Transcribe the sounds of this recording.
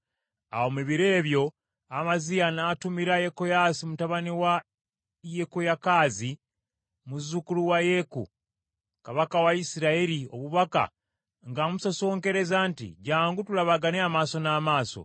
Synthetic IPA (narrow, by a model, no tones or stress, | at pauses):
a̰wo̞miβiɾe̞ːβjo̞ | amazijanatumiɾajekojasimutaβaniwa | jekojakazi | muzukuluwaje̞kṵ | kaβakawaisiɾaeɾio̞̰βuβaka̰ | ŋɡamusoso̞ːŋke̞ɾe̞zaːntḭɟaːŋɡutulaβaɡaneamaːso̞naːmaːso̰